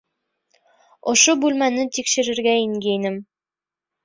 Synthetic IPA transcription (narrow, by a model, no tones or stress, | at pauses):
ŏʃobʉlmænɘt̪ikʃɘ̆ɾɘ̆ɾɡæiŋɡʲæjnɘm